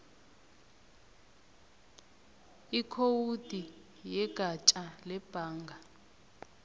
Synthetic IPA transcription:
ikʰowud̥ʱi | jɛɡ̥ʱat͡ʃʼalɛb̥ʱaːŋɡʱa

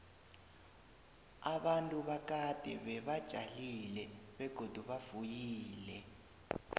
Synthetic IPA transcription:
aɓantʼuɓak̬ʼad̥ʱɛɓɛɓad̥ʒ̥ʱalilɛɓɛɡ̥ʱod̥ʱuɓav̥ujiːlɛ

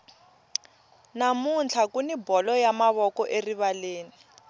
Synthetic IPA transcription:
namunt͡ɬʰakunibɔlɔjamaβɔkɔʔeriβaleːni

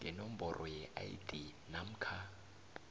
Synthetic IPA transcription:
ɡɛnɔm̩bɔrʔɔjɛʔa̰jḭdʼi | nam̩kʰa

